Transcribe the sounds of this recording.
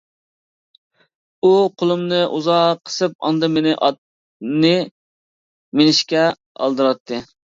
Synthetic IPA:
uqʰolˠumnɨʔuzɑqʰːə̥sɨp̚ɑ̰nd̪ɨmɪnɪʔɑt̪ | nɨ | menɪʃkʲɛ | ɑ̰lˠd̪ɨɾɑt̪ʰːɨ

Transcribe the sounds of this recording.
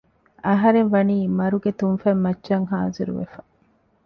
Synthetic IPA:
ɐɦɐɾenʋɐniːmɐɾuɡet̪unfɐmːɐtːʃɐŋɦaːziɾṵʋḛfɐ

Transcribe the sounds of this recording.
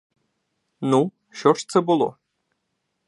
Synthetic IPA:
nu | ɕɔʂt̪sɛbɨlˠo̰

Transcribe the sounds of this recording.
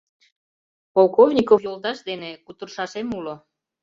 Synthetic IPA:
polˠkovnʲikofjold̪ɑʃd̪enekut̪ərʃɑʃemulo

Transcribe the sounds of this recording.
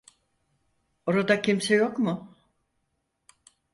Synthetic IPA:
o̞ɾad̪acʰimsejokmʊ

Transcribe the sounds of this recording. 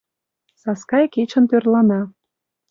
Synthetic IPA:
sɑskɑjket͡ɕə̆nt̪ørlɑnɑ

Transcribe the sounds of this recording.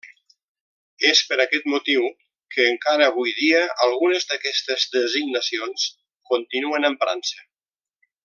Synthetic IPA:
espəɾakɛt̪mut̪iw | kəːŋkaɾəːβ̞ujðiəəlˠɣunəzd̪əkɛst̪əzðəziɡnasions | kunt̪inuənəmfɾʔa̰nsə

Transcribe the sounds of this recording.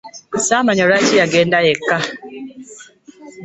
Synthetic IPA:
samaɲɔɾat͡ʃiaɡɛndajɛka

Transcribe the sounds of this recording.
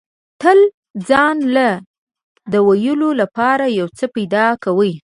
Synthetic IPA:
t̪əl | d͡zɑnla | d̪əwajəlolapɑɾajawt͡səpajd̪ɑkawəj

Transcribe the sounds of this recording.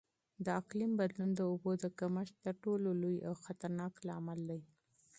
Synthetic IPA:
d̪əaqlimbad̪lund̪əobod̪əkaməʃ̚t̪əɾʈololoja̰wxat̪aɾnɑklaamald̪aj

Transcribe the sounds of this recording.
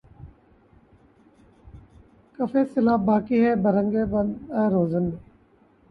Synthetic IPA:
kəfeːsɪlaːbaːkiɦɛːbəɾə̃ŋɡeːbənaːɾoːzənːeː

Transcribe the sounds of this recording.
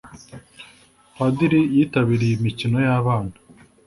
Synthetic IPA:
padiɾijiːtaβiɾijimicino̞jaβaːnha

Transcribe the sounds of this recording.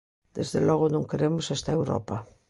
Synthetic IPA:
d̪̥ezðelɔɣ̞onõŋkeɾemosest̪aewɾɔ̰pa

